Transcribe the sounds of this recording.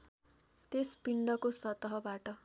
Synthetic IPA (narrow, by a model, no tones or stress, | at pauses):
t̪espiɳɖʌkosʌt̪ʌɦʌbaʈʌ